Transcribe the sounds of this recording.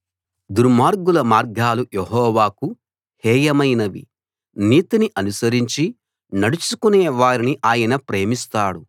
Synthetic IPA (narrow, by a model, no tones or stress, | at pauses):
d̪uɾmaːɾɡulɐmaːɾɡaːlujeɦɔːʋaːku | hɛːjɐmɐjnɐʋḭ | niːt̪iniʔɐnusɐɾiɲt͡ʃi | nɐɽut͡ʃukuneːʋaːɾiniʔaːjɐnɐpɾe̞ːmist̪aːɽu